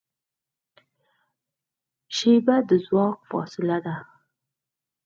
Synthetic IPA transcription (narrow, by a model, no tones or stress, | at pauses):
ʃebad̪əzwɑk̚fɑ̰sɪlad̪a